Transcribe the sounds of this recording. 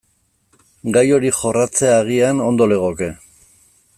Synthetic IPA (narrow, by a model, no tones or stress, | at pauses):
ɡajo̞ɾixo̞rat͡se̞aɣ̞iano̞nd̪o̞le̞ɣ̞oke̞